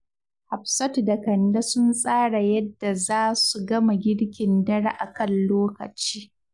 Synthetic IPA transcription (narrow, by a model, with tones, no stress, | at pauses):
ha˨ɸsɐ˦tda˨kɐ˨nda˦sʊ˦nsʼaː˦ɽa˨jɐ˦dːa˨zaː˦su˨ɡɐ˦ma˨ɡʲɪ˦ɽkʲɪ˨ndɐ˦ɽa̰˦ʔa˨kɐ˦˨nloː˦kɐ̰˨t͡ʃiː˦